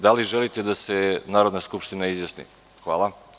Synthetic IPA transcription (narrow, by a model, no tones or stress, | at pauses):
d̪aliʒelit̪ed̪asenaːɾod̪naskupʃt̪inaizʋjasnḭ | xʋaːlˠa